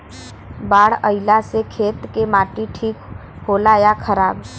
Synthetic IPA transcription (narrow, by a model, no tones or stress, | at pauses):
baːɽəɪlasekʰeːt̪kemaːʈiʈʰiːk | ɦoːlaːjakʰəɾaːb